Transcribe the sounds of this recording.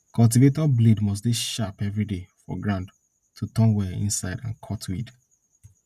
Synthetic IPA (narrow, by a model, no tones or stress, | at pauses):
kʰɔlt̬ivetɔblidmɔs̬deʃapɛvɹidefɔ̰ɡɹãnd | tʰutɔ̃nwɛḭ̃nsaɪdãnkʰɔtʰwid